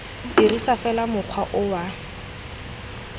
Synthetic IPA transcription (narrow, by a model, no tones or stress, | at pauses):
dirisafɛlamʊq͡χʰwaʔʊwa